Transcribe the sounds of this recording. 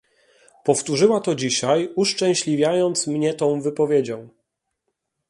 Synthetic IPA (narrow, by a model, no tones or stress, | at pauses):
pɔft̪uʐɘwat̪ɔd͡ʑiɕajuʂt͡ʂɛ̃w̃ɕlʲivʲjajɔnt̪smɲɛt̪ɔ̃w̃vɘpɔvʲjed͡ʑɔ̃w̃